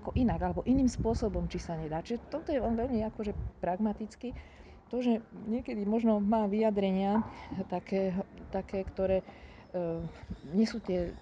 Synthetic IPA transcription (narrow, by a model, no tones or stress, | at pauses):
akɔʔinaɡalɛbɔʔiniːmspʊɔsɔbɔmt͡ʃisaɲɛd̪aːt͡ʃiʒɛt̪ɔt̪ɔjɛɔnʋɛʎmiakɔʒɛpɾaɡmat̪it͡ski | t̪ɔʒɛɲɪɛkɛd̪imɔʒnɔmaːʋijad̪ɾɛɲɪat̪akɛːt̪akɛːkt̪ɔɾɛː | ɲɪɛsuːt̪ɪɛ